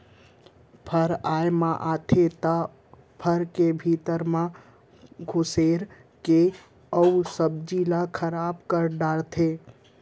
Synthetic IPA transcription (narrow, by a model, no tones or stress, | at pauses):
pʰəɾaːjmãʔaːt̪ʰet̪a | pʰəɾkebʱiːt̪əɾmã | ɡʱʊseːɾ | ke | əusəb̚d͡ʒilakʰəɾaːbkəɾɖaːɽt̪ʰe